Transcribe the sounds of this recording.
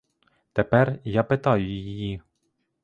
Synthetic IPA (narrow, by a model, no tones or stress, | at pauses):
t̪ɛpɛrjɑpɪt̪ɑjʊjjiji